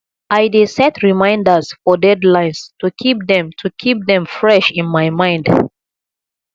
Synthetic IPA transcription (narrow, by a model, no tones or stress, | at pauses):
ajdesɛtʰɹimãɪ̃ndə˞sfɔdɛdlãɪ̃nstukʰip̚ðɛ̃mtʰukʰip̚ðɛ̃mfɹɛʃĩnmajmãɪ̃nd